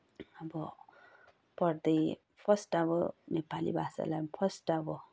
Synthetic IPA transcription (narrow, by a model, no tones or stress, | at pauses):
ʌbʌ | pʌɾd̪ʌj | pʰʌsʈabʌnepalḭbʱasa̰lajmpʰʌsʈabɔ